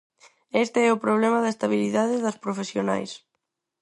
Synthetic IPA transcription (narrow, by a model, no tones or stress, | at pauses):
ɛst̪eɛʊpɾoβ̞lɛmɐðɐest̪aβiliðaðɪðɐspɾofesjona̰js